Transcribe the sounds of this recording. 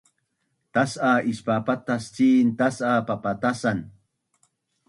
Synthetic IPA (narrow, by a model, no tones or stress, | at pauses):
t̪asaɪʃpapat̪ast͡siːnt̪asapapat̪asan